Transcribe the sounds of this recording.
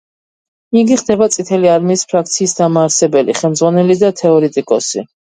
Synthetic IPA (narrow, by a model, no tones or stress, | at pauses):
iɡiχd̪ɛbat̪sʼit̪ʰɛliaɾmiːspʰɾak̚ʰt̪sʰiːsd̪amaːɾsɛbɛlḭχɛlˠmdzʁwanɛlid̪at̪ʰɛɔɾɛt̪ʼikʼɔsḭ